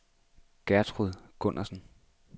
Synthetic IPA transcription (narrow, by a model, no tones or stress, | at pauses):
ɡ̥æɐt͡sʰʁuðˠɡ̥ɔ̽n̰ʔɐsn̩